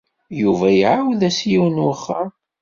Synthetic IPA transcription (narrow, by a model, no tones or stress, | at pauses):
juvæjʕawðæsjiwnwχːə